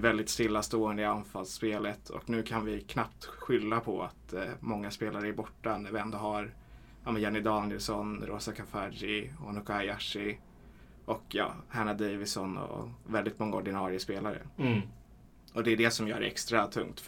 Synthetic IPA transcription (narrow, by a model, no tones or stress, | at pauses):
vɛld̪ɪt̪st̪ɪlːast̪oːənd̪əɪanfalspeːlət̪ʰɔ̰knʉ̟ːkʰanvɪkʰnapt̪ɧʏlːapʰɔa̰t̪mɔŋːaspeːlaɾəæɾbɔʈːanæɾvɪɛnd̪ɔɦaɾ | amɛnjɛnːɪd̪ɑːnɪjɛlsɔnɾoːsakʰafaɾɪɔ̰nʊkʰaɪaʂɪ | ɔkjɑ̰ːhaɳad̪ɛjvɪsɔnɔ̰vɛld̪ɪt̪mɔŋːaɔɖɪnɑːɾɪəspeːlaɾə̰ | ɔd̪ɛːd̪ɛsɔmjœ̰ːɾɛ̰kst̪ɾat̪ʰɵ̰ŋt̪